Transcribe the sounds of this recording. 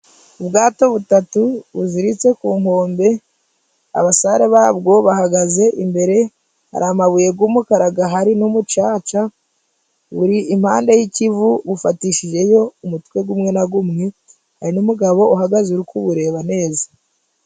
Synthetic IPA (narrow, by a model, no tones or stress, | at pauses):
ubɡaːto̞βutatuβuziɾit͡se̞kuːmo̞ːmbe̞ | a̰βasaɾeβaːbɡo̞βahaɡaze̞ʔimbe̞ɾe̞ | ha̰ɾamaβuje̞ɡumukaɾaɡaɦaɾinumut͡ʃaːt͡ʃa | βuɾiim̥haːnde̞jicivuβufatiʃiʒe̞jo̞umutkwe̞ɡumŋe̞naɡumŋe̞ | haɾinumuɡaβo̞uɦaɡazuɾukuβuɾe̞ːβane̞ːzḁ